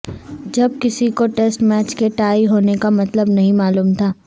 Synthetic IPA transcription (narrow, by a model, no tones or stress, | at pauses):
d͡ʒɐb̚kɪsikoʈeːsʈmɛːt͡ʃkeʈaːiɦoːnekamɐt̪ləbnɐɦĩmaːluːmt̪ʰaː